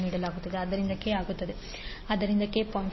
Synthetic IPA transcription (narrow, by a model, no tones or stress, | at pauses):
niːɽɐlaːɡut̪ːɐd̪eɐd̪ːɐɾind̪ɐkeaːɡut̪ːɐd̪e | ɐd̪ːɐɾind̪ɐkeːpɐm